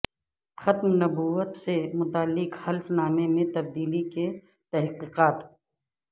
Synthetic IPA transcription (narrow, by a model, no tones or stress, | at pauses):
xɐt̪mnɐbuːʋət̪semʊt̪aːlːɪqhɐlfnaːmemẽt̪ɐb̚d̪iːlike | t̪ɐɦqiːqaːt̪